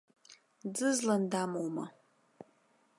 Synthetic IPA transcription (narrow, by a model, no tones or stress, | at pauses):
d͡zɨzlɐndaːmowmɐ